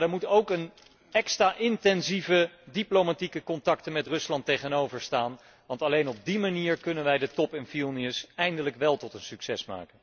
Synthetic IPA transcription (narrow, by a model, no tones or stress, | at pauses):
dɛɹmutowkən | ɛkstraːʔɪntɛnzivədiplowmatikəkɔntɑktənmɛtrɵslɑntejχənowvəɹstaːn | ʋɑntɑlejnɔb̚dimaniːɹkɵnənʋɛjdətɔpɛnfilˠniəsɛjndələkʋɛlˠtɔtənsyksɛsma̰ːkən